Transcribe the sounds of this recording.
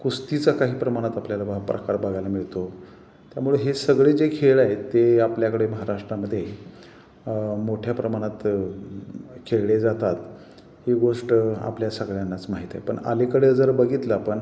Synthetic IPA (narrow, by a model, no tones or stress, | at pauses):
kust̪it͡sakaɦiːpɾəmaɽ̃at̪apljalabəɦapɾə̰kaɾbaɡajlamiɭt̪o | t̪jamuɭeɦesəɡɭed͡zekʰeɭaɦet̪ːeapljakəɽeməɦaɾaʂʈɾaməd̪ʱːje | moʈʰjapɾəmaɽ̃at̪ | kʰeɭled͡zat̪at̪ | heɡoʂʈa̰pljasəɡɭjanːat͡smaɦiːt̪aepə̰ɳa̰lekəɽed͡zəɾbəɡʱit̪lapəɳ